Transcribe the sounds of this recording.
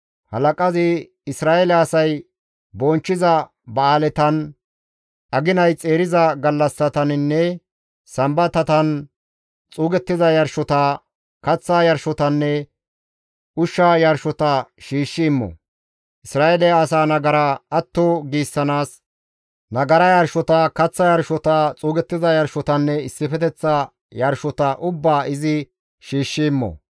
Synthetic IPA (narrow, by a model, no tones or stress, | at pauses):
hɐlɐkʼɐzɪ | ɪsɾaːʔɛlɛɐsɐj | bɔnt͡ʃːɪzɐ | bɐaːlɛt̪ɐn | ʔɐɡɪnɐjt͡sʼe̞ːɾɪzɐɡɐlːɐsːɐt̪ɐnɪnːɛ | sɐmbɐt̪ɐt̪ɐn | t͡sʼuːɡɛt̪ːɪzɐjɐɾʃɔt̪a | kɐt͡sːaːjɐɾʃɔt̪ɐnːɛ | ʊʃːɐjɐɾʃɔt̪ɐʃiːʃːɪɪmːɔ̰ | ʔɪsɾaːʔelɛjaːs̬aːnɐɡɐɾaɐt̪ːɔɡiːsːɐnaːs | nɐɡɐɾɐjɐɾʃɔt̪ɐkɐt͡sːɐjɐɾʃɔt̪at͡sʼuːɡɛt̪ːɪzɐjɐɾʃɔt̪ɐnːɛɪsːɪfɛt̪ɛt͡sːɐ | jɐɾʃɔt̪ɐʔʊbːaːʔɪzɪ | ʃiːʃːɪɪmːɔ̰